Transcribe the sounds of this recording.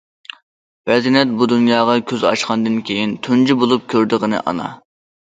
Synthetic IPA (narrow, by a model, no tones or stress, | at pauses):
bɛznɛt̪̚bud̪unjɑːʁɑkʲʰøzɑ̰ʃqɑnd̪ɨnkʲʰejint̪ʰund͡ʒibolˠup̚kʲʰøɾd̪ɨʁənɨ̰ʔɑ̰nɑ̰